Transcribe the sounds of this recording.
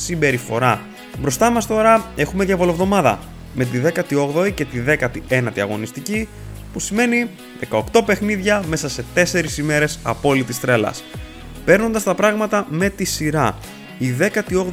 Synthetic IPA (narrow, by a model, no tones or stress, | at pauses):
simbe̞ɾifo̞ɾɐ | bɾo̞st̪ɐmɐst̪o̞ɾɐe̞xumeðʝɐvo̞lo̞vðo̞mɐðɐ̰ | me̞t̪̬iðe̞kɐt̪io̞ɣðo̞ice̞t̪iðe̞kɐt̪ie̞nɐt̪iɐ̰ɣo̞̰nist̪ici | pusime̞ni | ðe̞kɐo̞kt̪o̞pe̞xniðʝɐme̞sɐse̞t̪e̞se̞ɾisime̞ɾe̞sɐ̰po̞lit̪ist̪ɾe̞lɐ̰s | pe̞ɾno̞nd̪ɐst̪ɐpɾɐɣmɐt̪ɐme̞t̪isiɾɐ | iðe̞kɐt̪io̞ɣ